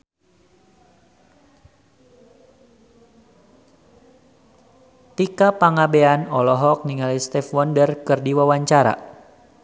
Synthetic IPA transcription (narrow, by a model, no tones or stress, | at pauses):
t̪ikapaŋabeanɔlɔɦɔk̚niŋalist̪ɛfwɔndərkɨrdiwawaɲt͡ʃaɾa̰